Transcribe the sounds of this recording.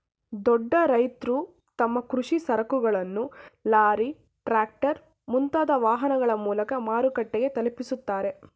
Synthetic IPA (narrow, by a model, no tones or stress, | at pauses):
d̪ɔɖːɐɾɐjt̪ɾu | t̪ɐmːɐkɾuʂisɐɾɐkuɡɐɭɐnːulaːɾi | ʈɾaːk̚ʈɐɾ | munt̪aːd̪ɐʋaːɦɐnɐɡɐɭɐmuːlɐkɐmaːɾukɐʈːeɡe̞t̪ɐlepisut̪ːaːɾe̞